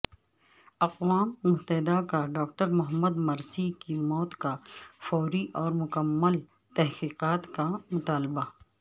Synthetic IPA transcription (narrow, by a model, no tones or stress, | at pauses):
ɐqwaːmːʊɦt̪əɦɪd̪akaɖaːk̚ʈəɾmʊɦəməd̪mɐɾsikimɔːt̪kafɔːɾiʔɔːɾmʊkəmːəl | t̪ɐɦqiːqaːt̪kamʊt̪aːlɪba